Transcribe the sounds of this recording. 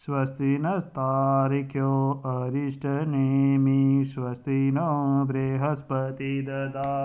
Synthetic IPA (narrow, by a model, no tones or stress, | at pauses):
sʋɐst̪inɐst̪aːɾikʰjoːɐɾiʂʈɐnemisʋɐst̪inobɾeːɦɐspɐt̪id̪ɐd̪aː